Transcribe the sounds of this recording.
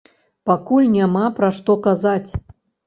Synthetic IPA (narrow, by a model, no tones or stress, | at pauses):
pakulʲnʲamapɾaʂt̪ɔkazat͡sʲ